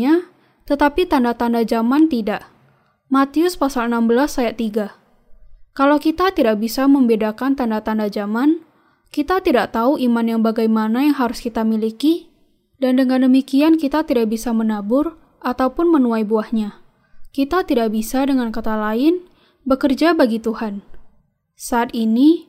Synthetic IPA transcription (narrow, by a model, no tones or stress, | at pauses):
a | t̪ət̪apit̪andat̪andad͡ʒamant̪idaʔ | mat̪iʊspasalənambəlasːajaʔt̪iɡa | kalawkit̪at̪idaʔ̚bisaməmbedakant̪andat̪andad͡ʒaman | kit̪at̪idaʔt̪auʔimanjaŋbaɡajmanajaŋɦaɾʊskit̪amiliki | dandəŋandəmikiankit̪at̪idaʔ̚bisamənabʊr | ʔat̪aupʊnmənuajbuahɲa | kit̪at̪idaʔbisadəŋankat̪alaɪn | bəkərd͡ʒabaɡit̪uhan | saːt̪ini